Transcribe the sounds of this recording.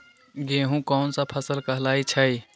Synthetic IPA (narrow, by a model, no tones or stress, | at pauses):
ɡeɦũkɔːnsapʰəsəlkəɦlaːit͡ʃʰə